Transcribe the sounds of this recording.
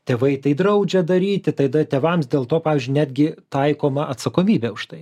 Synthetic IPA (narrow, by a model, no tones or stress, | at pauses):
t̪ʲeːʋɐɪt̪ɐɪd̪ɾɐʊd͡ʒʲɛd̪ɐɾʲiːt̪ʲɪt̪ɐɪd̪ɐt̪ʲeːʋɐmsd̪ʲeːlˠt̪oːpɑːʋʲiːzʲd͡ʒʲʊnʲæːd̪ʲɡʲɪt̪ɐɪkoːmɐʔɐt̪sɐkoːmʲiːbʲeʊʃt̪ɐɪ